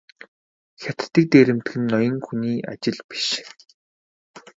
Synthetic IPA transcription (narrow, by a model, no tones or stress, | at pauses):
xʲat̪t̪ːĭk̚t̪eːɾɘ̆mt̪ɘxɘ̆nːɔjɞ̆ŋxuniːʔa̰t͡ɕɪ̆ɮpi̥ʃ